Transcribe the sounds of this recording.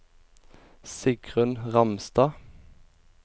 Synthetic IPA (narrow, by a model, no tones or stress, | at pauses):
sɪɡʁʉnʁɑmst̪ɑː